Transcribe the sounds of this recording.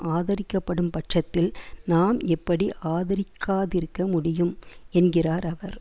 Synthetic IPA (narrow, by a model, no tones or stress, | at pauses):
aːðɐɾɪkːɐpːɐɽɯmpɐʈʂɐt̪ːɪlnaːmɛpːɐɽiʔaːðɐɾɪkʰːaːðɪɾɯkːɐmʊɽɪjɯmɛnɡɪraːɾɐʋɐɾ